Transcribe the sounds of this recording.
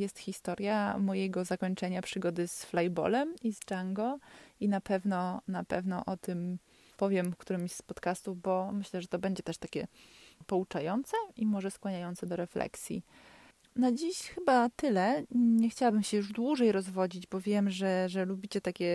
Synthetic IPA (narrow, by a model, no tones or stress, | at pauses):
jɛst̪xʲist̪ɔɾʲjamɔjɛɡɔzakɔɲt͡ʂɛɲapʂɘɡɔd̪ɘsflajbɔ̰lɛmizd͡ʒaŋɡɔinapɛvnɔnapɛ̰vnɔʔɔt̪ɘm | pɔvʲjɛmkt̪uɾɘmspɔt̪kast̪ubɔmɘɕlɛʐɛt̪ɔbɛɲd͡ʑɛt̪ɛʂt̪akʲɛ̰pɔut͡ʂajɔnt̪sɛimɔʐɛskwaɲajɔnt̪sɛd̪ɔɾɛflɛ̰ksʲjḭ | nad͡ʑiɕxɘbat̪ɘlɛɲɛxt͡ɕawabɘmɕɛjuʐd̪wuʐɛjɾɔzvɔd͡ʑid͡ʑbɔvʲjɛmʐɛʐɛlubʲit͡ɕɛt̪akʲɛ